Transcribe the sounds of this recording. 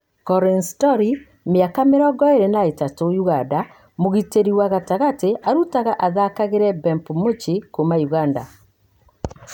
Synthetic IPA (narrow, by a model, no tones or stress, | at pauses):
kɔɾinstɔɾi | meakameɾɔɡɔeɾenaetatojuɣada | moɣiteɾiwaɣataɣateʔaɾutaɣaʔaðakaɣeɾɛbɛmpumot͡ʃikomajuɣanda̰